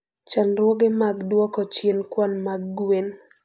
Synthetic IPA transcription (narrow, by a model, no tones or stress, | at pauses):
t͡ʃanɾwɔɡemaɡdwɔkɔt͡ʃjenkwɔnmaɡːwen